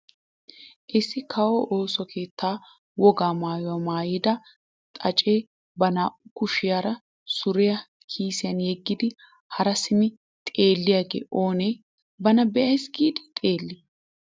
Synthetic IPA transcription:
ʔɪsːɪkʰɐwɔʔo̞ːsɔkʰe̞ːt̪ːaː | wɔɡaːmaːjɔɐmaːjɪd̪ɐ | t̪ʼɐt͡ʃʼe̞ː | bɐnaːʔʊkʊʃɪjaɾɐ | sʊɾɪjɐ | kʰiːsɪjɐnjɛɡːɪd̪ɪ | hɐɾɐsɪmɪ | t̪ʼe̞ːlːɪjaːɡḛːʔo̞ːneː | bɐnɐbɛʔɐjsɡiːd̪ɪ̥t̪ʼe̞ːlːɪ

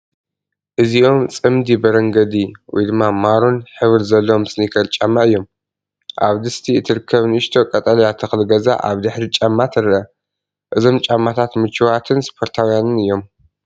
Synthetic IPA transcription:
ʔɨziʔo̞mt͡sʼɨmd̪ibɐɾɐŋɡɐd̪iwɔ̰jd̪ɨmːamaɾunħɨβɾzɐlːɐmɨsnikʰɐlt͡ʃʼamːaʔɨjːo̞m | ʔa̰βd̪ɨst̪ʰiɨt̪ʰɨɾɨkʰːɐβnɨʃt̪ʰo̞kʼɐt̪ʼɐljat̪ʰɐxɨlɡɐza̰ʔa̰βd̪ɨħɾit͡ʃʼamːat̪ʰɨɾɨʔɐ | ʔɨzo̞mt͡ʃʼamːat̪ʰat̪mɨt͡ʃʰːɨwat̪ʰɨnspʰo̞ɾt̪ʰawjanɨnɨjːo̞m

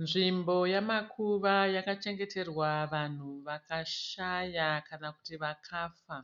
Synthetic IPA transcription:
nʐimbo̞jamakʰuʋajakat͡ʃe̞ŋɡe̞te̞rwaʋan̤uʋakaʃajakanaku̥tiʋakʰaːfa

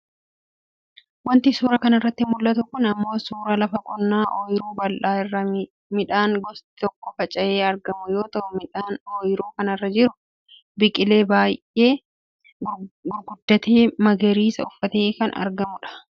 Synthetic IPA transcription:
wɐnt̪ɪsuːɾɐkɐnɐrːɐt̪ːɪmʊlːɐt̪ʊkʊnɐmːo̞ːsuːɾɐlɐfɐkʼɔnːaːʔoːjɪɾuːbɐlaːɪrːɐ | mɪᶑaːŋɡɔst̪ɪ̥t̪ɔkːɔfɐt͡ʃʼɐjeːɐɾɡɐmʊjo̞ːt̪ɐʔʊmɪanoːjɪɾuːkɐnɐrːɐd͡ʒɪɾʊ | bɪkʼɪle̞ːbaːjʔe̞ː | ɡʊɾɡʊd̪ːɐt̪eːmɐɡɛɾiːsɐʊfːɐt̪eːkɐnʔɐ̰ɾɡɐmʊᶑɐ̥

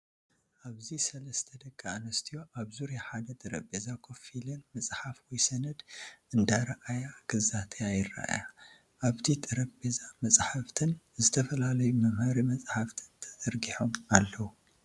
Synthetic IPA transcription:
ʔaβzisɐlɐst̪ʰɐd̪ɐkʼːaʔnɐst̪ʰijo̞ʔaβzuɾjaħad̪ɐt̪ʼɨɾɐbbezakʰo̞filɨnmɐsʼħafwɔjsɐnɐd̪ʔɨnd̪aɾɐʔajakʰɨzat̪ʰejajɪɾa̰ʔja | ʔaβt̪ʰit̪ʼɨɾɐkʼbezamɐsʼħaft̪ʰɨn | zɨt̪ʰɐfɐlalɐjumɐmhɐɾimɐt͡sʼħaft̪ʰɨnt̪ʰɐ̥t̪ʼɐɾɡiħomalːɐwu

